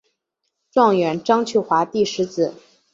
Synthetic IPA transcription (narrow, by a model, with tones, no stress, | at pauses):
ʈ͡ʂwɑ˥˩ŋɥɛ˧˥nʈ͡ʂɑ˥ŋt͡ɕʰy˥˩xwa˧˥t̪i˥˩ʂɻ̩˧˥t͡sɹ̩˨˩˦